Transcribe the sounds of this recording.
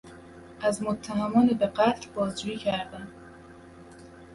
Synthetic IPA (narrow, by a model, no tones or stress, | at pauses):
ʔæzmot̪ʰːæɦæmɒːnebeqæt̪ʰlbɒːzd͡ʒuːiːcʰæɾd̪æm